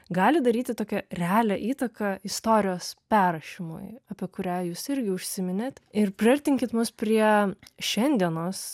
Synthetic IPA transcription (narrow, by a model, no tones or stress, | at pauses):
ɡɑːlʲɪd̪ɐɾʲiːt̪ʲɪt̪oːkʲɛɾʲɛɑːlʲɛʔiːt̪ɐkɐɪst̪oːɾʲɪjoːspʲæːɾɐʃʲɪmʊ̰jɐpʲiɛkʊɾʲæːjuːsɪɾʲɡʲɪʊʃʲsʲɪmʲɪnʲet̪ɪɾpʲɾʲɪɐɾʲt̪ʲɪŋʲkʲɪt̪mʊspʲɾʲiɛʃʲɛnʲd̪ʲiɛnoːs